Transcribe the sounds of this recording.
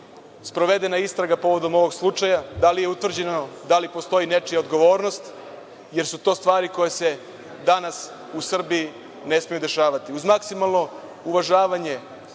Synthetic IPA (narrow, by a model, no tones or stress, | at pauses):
spɾo̞ʋe̞d̪enaist̪ɾaɡapo̞ʋo̞d̪o̞mo̞ʋo̞ɡslˠut͡ʂajad̪alije̞ut̪vr̩d͡ʑe̞nod̪alipo̞st̪o̞jine̞t͡ʃijaod̪ɡo̞ʋo̞ːɾno̞st̪ | je̞ɾsut̪o̞ːst̪ʋaːɾiko̞jese̞ | d̪anas | usr̩biː | ne̞smijud̪e̞ʃaːʋat̪iuzmaksimalˠno̞ | uʋaʒaːʋaɲe̞